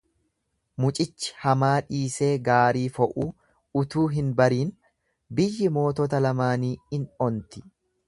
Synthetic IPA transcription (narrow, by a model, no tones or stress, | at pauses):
mʊt͡ʃʼɪt͡ʃːɪ̥hɐmaːᶑiːse̞ːɡaːɾiːfɔʔuː | ʊt̪uːɦɪnbɐɾiːn | bɪjːɪmo̞ːt̪ɔt̪ɐlɐmaːniːɪnɔnt̪ɪ̥